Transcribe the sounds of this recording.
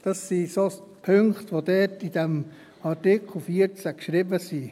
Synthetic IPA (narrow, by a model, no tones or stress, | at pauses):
d̥ɑsːisospʰøŋktʋodɛtid̥ɛm | ɑɾtɪkʰl̩fiəɾt͡sækʃɾɪbəsi